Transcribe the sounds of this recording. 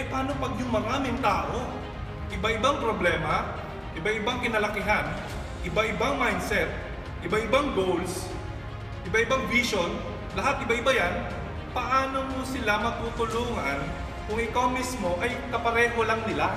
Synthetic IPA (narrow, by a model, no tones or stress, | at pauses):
jpɐaːnopɐɡjʊŋmɐŋamɪŋt̪aːʔo̞ | ʔɪbaʔɪbaŋpɾoblɛːma | ʔɪbaʔɪbaŋkɪnɐlɐkɪɦan | ʔɪbaʔɪbaŋmajnsɛt̪̚ | ʔɪbaʔɪbaŋbowls | ʔɪbaʔɪbaŋviʃo̞n | lɐɦat̪ʔɪbaʔɪbajan | pɐʔaːnomosɪlamɐt̪ut̪ʊluːŋɐn | kʊŋʔɪkawmismo̞ʔɐjkɐpɐɾɛːɦo̞laŋnɪla